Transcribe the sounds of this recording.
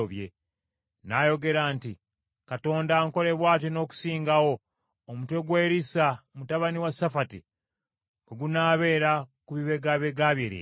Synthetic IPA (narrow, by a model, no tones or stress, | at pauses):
oβje̞ | naːjo̞ɡe̞ɾaːnti | kato̞ːndaŋko̞le̞βwaːtino̞ːku̥siːŋɡawo̞ː | mutwe̞ɡweɾisamutaβaniwasafati | keɡunaːβe̞ːɾakuβiβe̞ɡaβe̞ɡaβjeɾḛ